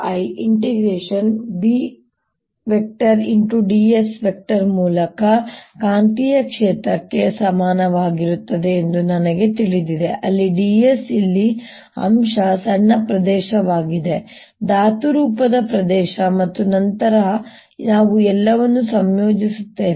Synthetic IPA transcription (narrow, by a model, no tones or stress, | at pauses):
ɐjiɳʈiɡɾeːʂɐnbi | ʋek̚ʈɐɾiɳʈuɖiːesʋek̚ʈɐɾmuːlɐkɐkaːnt̪ijɐkʂɛːt̪ɾɐkːe̞sɐmaːnɐʋaːɡiɾut̪ːɐd̪e̞ːnd̪unɐnɐɡe̞t̪iɭid̪id̪eʔɐlːiɖiːesilːi | ɐ̰mʃɐsɐɳːɐpɾɐd̪ɛːʃɐʋaːɡid̪e̞ | d̪aːt̪uɾuːpɐd̪ɐpɾɐd̪ɛːʃɐmɐt̪ːunɐnt̪ɐɾɐ | naːʋuɛlːɐʋɐnːusɐmjo̞ːd͡ʒisut̪ːeː